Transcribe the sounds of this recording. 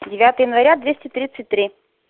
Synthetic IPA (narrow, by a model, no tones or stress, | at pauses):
dʲɪvʲat̪əjəjɪnvɐɾʲad̪vʲesʲtʲɪt̪ɾʲit̪sɨtʲt̪ːɾʲi